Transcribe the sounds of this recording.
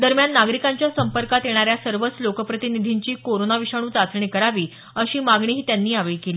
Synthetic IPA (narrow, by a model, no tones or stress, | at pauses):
d̪əɾmjanːaɡɾikaɲt͡ɕjasəmpəɾkat̪jeɽ̃aɾjasəɾʋət͡slokəpɾət̪inid̪ʱiɲt͡ɕiːkoɾonaʋiʂaɽ̃uːt͡sat͡sɳikəɾaʋiː | əɕiːmaɡɳ̃iːɦiːt̪janːiːaʋejkeliː